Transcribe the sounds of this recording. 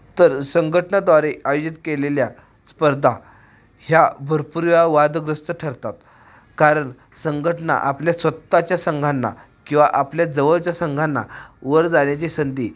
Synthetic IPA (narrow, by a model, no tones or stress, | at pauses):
t̪əɾsəŋɡʱəʈəɳad̪ʋaɾeajod͡ʑit̪kelelja | spəɾd̪ʱa | hjabʱəɾpuɾjaʋad̪ɡɾəst̪əʈʰəɾt̪at̪ | kaɾəɳ | səŋɡʱəʈəna̰ʔapljasʋət̪ːat͡ɕjasəŋɡʱanːa̰ | kĩw̃ʋaʔapljad͡zəʋəɭt͡ɕjasəŋɡʱanːa̰ʋəɾd͡zaɳjat͡ɕesənd̪iː